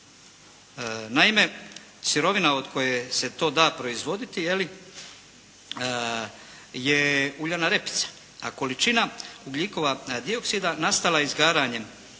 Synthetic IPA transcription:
naime̞ | siɾo̞ʋinao̞d̪kʰo̞jese̞t̪o̞ːd̪aːpɾo̞izʋo̞d̪it̪ije̞li | je̞uʎanaɾe̞pi̥t̪sḁ | ako̞lit͡ʃinauɡʎiko̞ʋad̪io̞ksid̪anast̪alaizɡaːɾaːɲe̞m

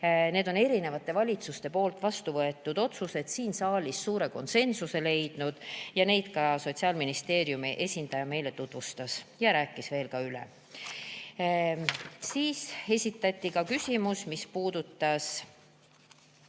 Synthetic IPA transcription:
ne̞ːd̪̥o̞ne̞ɾine̞vɑt̪ːˑe̞vɑlʲit̪sust̪e̞po̞ːlt̪ˑvɑst̪uvɤe̞t̪ːˑud̪̥o̞t̪suse̞t̪siːnsɑːlʲisːuːɾe̞ko̞nse̞nsuse̞le̞jd̪̥nud̪̥jɑne̞jd̪̥kɑso̞t̪siɑːlminist̪e̞ːɾjumiʔe̞sʲind̪̥ɑjɑme̞jle̞t̪ut̪vust̪ɑsjɑɾæːkːˑisve̞ːlkɑylḛ | siːse̞sʲit̪ːˑɑt̪ʲːˑikɑkysʲimusmispuːd̪̥ut̪ːɑs

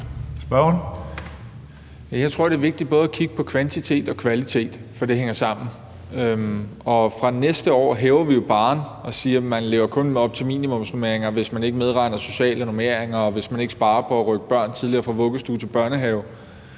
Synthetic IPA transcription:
sb̥ɶn | jjɑ̈ɪt͡sʰʁo̝ɐ̰de̝æɐʋe̝ɡ̥̚d̥id̥̚b̥ɔ̽ːð̞ˠækʰiɡ̥ə̥pʰɒ̽kʰʋænt͡sʰit͡sʰe̝̰ːd̥ɒ̽kʰʋælit͡sʰe̝̰ːd̥fɒ̽d̥e̝ɦeŋ̰ɐsɑ̈m̰n̩ | øɒ̽fʁɑ̈nesd̥əɒ̰ːɦeːʊɐʋijo̝b̥ɑ̈ːnɒ̽siːɐmænle̝ːʊɐkʰɔ̽neɒ̽b̥̚t͡sʰe̝lmḭːnimɔ̽m̰sno̝me̝ɐ̰eŋɐʋe̝smæne̝ɡ̥əmeð̞ˠʁɑ̈ɪ̰nɐso̝ɕɛ̰ːləno̝me̝ɐ̰eŋɐɒ̽ʋe̝smæne̝ɡ̥əsb̥ɑ̈ːɐpʰɒ̽æʁœɡ̥əb̥ɶɐ̰nt͡sʰið̞ˠliɐːfʁɑ̈ʋɔ̽ɡ̥əsd̥ut͡sʰe̝lb̥ɶɐnəɦɛːʊ

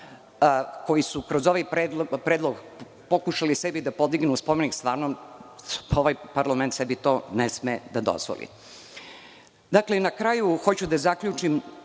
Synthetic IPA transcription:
ko̞jisukɾozo̞ʋajpɾeːd̪lpɾeːd̪loɡ | po̞kuʃalisebid̪apo̞d̪iɡnuspomenikst̪ʋaːɾnom | oʋajpaɾlamnt̪sɛbit̪o̞ːnesmed̪ad̪o̰zʋo̰lḭ | d̪aklenakɾajuxo̞t͡ɕud̪azakʎut͡ʂim

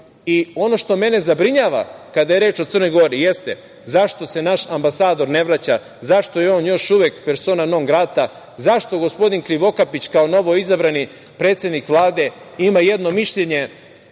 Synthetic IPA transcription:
io̞noʃt̪o̞me̞ne̞zabɾiɲaːʋa̰kad̪ajeɾeːt͡ʃo̞t̪sər̩no̞jɡo̞ɾije̞st̪e | zaʃt̪o̞se̞naʃambasaːd̪o̞ɾne̞ʋɾat͡ɕa | zaʃt̪o̞jeo̞ːnjo̞ʃuʋekpeɾso̞ːnanoŋɡɾat̪a | zaʃt̪o̞ɡo̞spo̞d̪inkɾiʋo̞kapit͡ɕkaono̞ʋo̞izabɾani | pɾe̞ːt̪sje̞d̪nikʋlˠaːd̪e̞ | imaje̞d̪no̞miʃʎeɲe̞

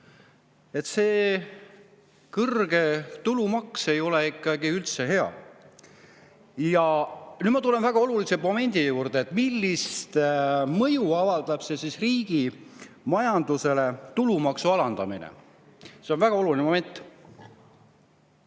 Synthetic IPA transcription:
e̞t̪se̞ː | kɤrɡe̞t̪ulumɑkse̞jo̞leikːˑɑɡ̥iylt̪se̞ɦe̞ɑ̰ | jɑnyːd̪mɑt̪ule̞nvæɡ̥ɑo̞lulise̞mo̞me̞nʲd̪ijuːrd̪̥eːt̪ːˑmilːist̪mɤjuɑvɑld̪̥ɑb̥se̞sisriːɡ̥i | mɑjɑnd̪̥use̞le̞t̪ulumɑksuɑlɑnd̪̥ɑminḛ | se̞onvæɡ̥ɑo̞lulinmo̞me̞nʲt̪ː

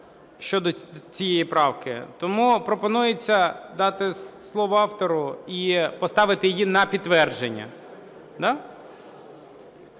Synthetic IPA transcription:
ʃt͡ʃɔd̪ɔt͡sʲijejipɾɑwkɪ̰t̪ɔmupɾɔpɔnujet͡sʲːɐd̪ɑt̪ɪslˠɔʋʊɑwt̪ɔɾʊipɔst̪ɑʋɪt̪ɪjɪjinɐpʲidt̪ːʋɛrd͡ʒenʲːɐ̰ | d̪ɑ

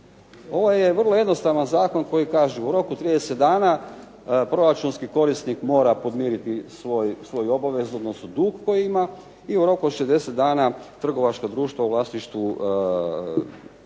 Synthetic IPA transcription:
o̞ʋoje̞ʋr̩lˠojeno̞st̪aʋanzaːko̞nko̞jikaːʒuuɾo̞kut̪ɾiːd̪eset̪d̪aːna | pɾo̞ɾat͡ʃunskiko̞ɾist̪nikmo̞ːɾapo̞d̪miɾit̪isʋo̞jsʋo̞jo̞baʋe̞zod̪nosud̪uːɡko̞jiima | iuɾo̞kuʃezd̪e̞set̪̚d̪aːnat̪r̩ɡo̞ʋat͡ʃkod̪ɾuːʃt̪ʋaulˠaːsniʃt̪ʋu

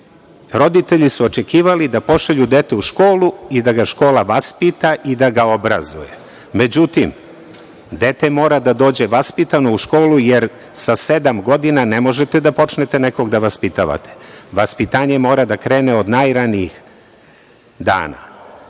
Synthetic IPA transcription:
ɾo̞d̪it̪e̞ʎisuo̞t͡ʃe̞kiːʋalid̪apo̞ʃaʎud̪e̞t̪euʃko̞ːluid̪aɡaʃko̞ːlaʋaspit̪aʔid̪aɡao̞bɾa̰zṵje | me̞d͡ʑut̪im | d̪e̞t̪e̞mo̞ːɾad̪ad̪o̞ːd͡ʑe̞ʋaspit̪ano̞uʃko̞ːlujeɾ | sase̞d̪amɡo̞d̪inanemo̞ʒet̪ed̪apo̞t͡ʃnet̪e̞neko̞ɡd̪aʋaspit̪aʋa̰t̪ʰe̥ʋaspit̪aːɲe̞mo̞ːɾad̪akɾe̞ːneo̞d̪najɾaniix | d̪a̰ːna̰

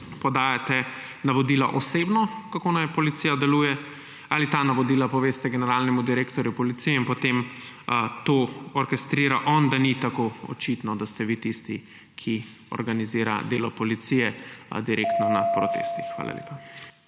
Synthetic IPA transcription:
pɔd̪aːjat̪ɛ | naʋɔd̪ila̰ʔɔseːbnɔkakonajpɔlit̪sijad̪ɛluːjɛ | alit̪anaʋɔd̪iːlapɔʋeːst̪ɛɡɛnɛɾaːlnɛmud̪iɾeːkt̪ɔɾjupɔlit̪sijɛinpɔt̪em | t̪oɔɾkɛst̪ɾiːɾaʔɔnd̪anit̪akoɔ̰t͡ʃit̪nɔd̪ast̪ɛʋit̪ist̪i | kʰi | ɔ̰ɾɡaniziːɾa̰d̪eːlɔpɔlit̪sijɛd̪iɾʔeːkt̪nɔnapɾɔt̪ḛːst̪ixxʋa̰ːla̰lḛːpa

